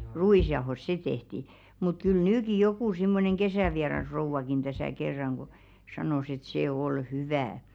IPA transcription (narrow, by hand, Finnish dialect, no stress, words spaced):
ruiˑsjɑohos se tehti mut kyl nyːki jokuˑ simːoneŋ kesæʋiɑrɑsrouʋɑkin tæsæˑ kerːɑŋ ɡ̊o sɑnoˑs et se ol hyʋæː